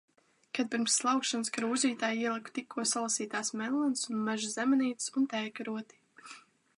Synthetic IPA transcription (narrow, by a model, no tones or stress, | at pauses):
kad̪̚piɾmsːlˠawkʃanskɾuːzʲiːt̪aːjiɛlˠɨku̥t̪ikʰːuɔsalˠasiːt̪aːsmɛllːˠɛnsunmɛʒuzɛmɛniːt̪sunt̪ɛːkɾuɔt̪i̥